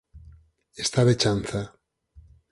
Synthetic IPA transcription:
est̪aβet͡ʃan̟θa

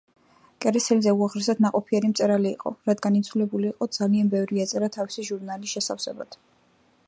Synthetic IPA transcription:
kʼɛɾɛsɛlzɛuaʁɾɛsad̪naqʼɔpʰiɛɾimt̪sʼɛɾalḭːqʼɔ̰ɾad̪ɡanit̪sʰvulɛbuliːqʼɔd̪z̥alianbɛvɾiat̪sʼɛɾat̪ʰavisiʒuɾnalisʃɛsafsɛba̰d̪̥

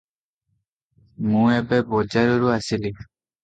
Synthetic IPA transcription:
mũɛbɛbɔd͡ʒaɾɔɹuasili

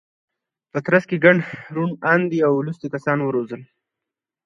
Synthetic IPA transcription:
pət̪ɾaskeɡaɳɖɾunand̪iawlust̪ikasɑnwəɾozəl

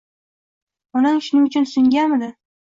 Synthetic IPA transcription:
ɒnaŋʃʊnɪŋʊt͡ʃʰʊnsʊŋɡʲanmɪd̪ɪ

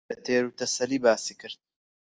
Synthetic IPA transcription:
ɐt̪ʰeːɾut̪ɐsɐliːbaːsiːkɨɾd̪̚

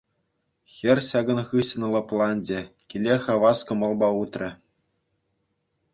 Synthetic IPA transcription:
xʲĕrʲɕɑɡɤ̆nχɯɕɤ̆nlˠɤ̆plˠɑnʲd͡ʑĕkʲilʲexɑʋɑskɤ̆mɤ̆lˠbɑut̪rʲɘ̆

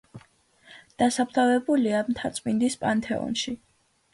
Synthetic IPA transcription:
d̪̥asapɾt̪ʰavɛbuliamt̪ʰat̪sʼmind̪ispʼant̪ʰɛ̰ɔ̰nʃi

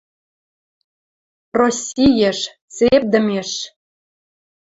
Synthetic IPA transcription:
rosʲijeʃ | t͡sep̚d̪ə̆mʲeʃ

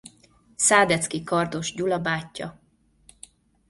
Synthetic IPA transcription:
saːd̪ɛt̪skikɒrd̪o̞ʒɟulɒbaːcːɒ̰

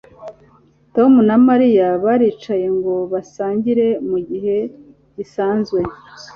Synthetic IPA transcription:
to̞munamaɾijaβaɾiːt͡ʃaje̞ŋɡo̞βasaːɲɟiɾe̞muɟiɦe̞ | ɟ̥isaːnzɡwe̞

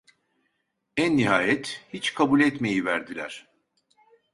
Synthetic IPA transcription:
ænːiɦaːjɛt̪hit͡ʃkʰabulʲɛt̪me̞jivæɾd̪ilʲæɾ̥

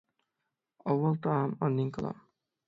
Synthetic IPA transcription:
ʌwːʌlt̪ɔamʌnːiŋkʌla̰m

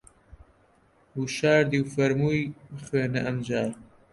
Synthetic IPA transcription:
huʃaːɾd̪iwfɐɾmuːjχweːnɐʔɐmd͡ʑaːɾ

